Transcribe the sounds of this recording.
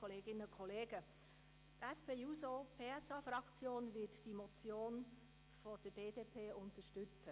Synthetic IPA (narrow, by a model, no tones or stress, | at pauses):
oleːɡɪnəʊkʰoleːɡə | tɛspeːuːzopʰeːɛsɑːfrɑkt͡sjoːnvɪtd̥iːmot͡sjoːn | fɔd̥əb̥eːdeːpʰeːʊntəʃtʏt͡sə